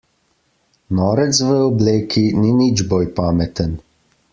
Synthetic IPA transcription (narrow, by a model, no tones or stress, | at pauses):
nɔːɾɛt̪sʋəɔbleːkʰininid͡ʒboːjpaːmɛt̪ən